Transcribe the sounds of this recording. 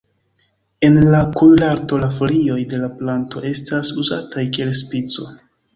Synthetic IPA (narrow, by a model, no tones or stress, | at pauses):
e̞nlakujlaɾto̞lafolio̞jde̞laplanto̞ʔe̞stasuza̰tajkie̞lspit͡so̞